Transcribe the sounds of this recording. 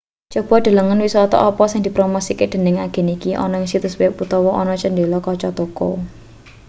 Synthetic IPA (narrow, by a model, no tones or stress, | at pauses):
t͡ʃɔb̥ɔ̤ɖ̪̥a̤ləŋənwisɔt̪ɔ̰ʔɔpɔsɪŋd̪i̤pɾomosiked̪̥ə̤nɪŋaɡ̥ɛ̤nikiʔɔ̰nɔɪŋsit̪ʊswiput̪ɔwɔʔɔnɔt͡ʃənd̪elɔkɔt͡ʃɔt̪okɔ̰